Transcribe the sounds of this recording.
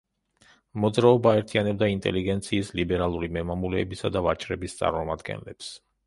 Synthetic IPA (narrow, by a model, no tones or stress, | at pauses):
mɔd̪zɾaɔbaːɛɾt̪ʰianɛb̚d̪aint̪ʼɛ̰liɡɛnt̪sʰiːslibɛɾalˠuɾimɛmamulɛːbisad̪avat͡ʃʼɾɛbist̪sʼa̰ɾmɔmad̪ɡɛ̰nlɛ̰ps